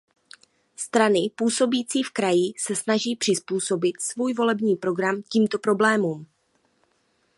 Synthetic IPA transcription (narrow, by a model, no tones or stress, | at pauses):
st̪ɾanɪpuːso̞biːt͡siːfkɾajɪsɛsnaʒiːpr̝̥ɪspuːso̞bɪt̪svuːjvo̞lɛbɲiːpɾo̞ɡɾamciːmt̪o̞pɾo̞blɛːmuːm